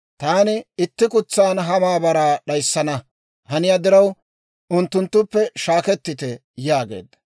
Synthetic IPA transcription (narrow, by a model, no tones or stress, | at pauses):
t̪aːnɪɪt̪ːɪkʊt͡sːaːnɦɐmaːbɐɾaːɗɐjsːɐnɐ | hɐnɪjaːd̪ɪɾɐw | ʔʊnt̪ːʊnt̪ːʊpːɛʃaːkɛt̪ːɪt̪ɛ | jaːɡḛːd̪ːɐ̥